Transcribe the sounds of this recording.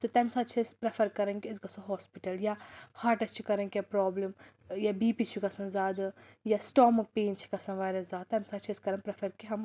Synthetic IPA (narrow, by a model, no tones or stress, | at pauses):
t̪ɨt̪ɐmsaːt͡ʃʰispɾɐfʰɐɾkɐɾɐnkiɐzkɐsõɦɔːspiʈɐljahaːɾʈɐst͡ʃʰikɐɾɐ̃nkʲjapɾoːblim | jabiːpit͡ʃʰikɐsɐ̃nzaːd̪ɨjasʈoːmɨk̚peːnt͡ʃʰi̥kɐsɐ̃nʋaːɾʲɐzaːt̪ɐmsaːt͡ʃʰiskɐɾɐnpɾɐfʰɐɾkiɦɐm